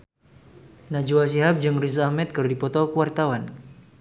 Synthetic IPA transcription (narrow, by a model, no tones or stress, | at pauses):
nad͡ʒuwas̬iɦap̚d͡ʒɨŋris̬ahmɛt̪̚kɨrdipɔt̪ɔkəwart̪awan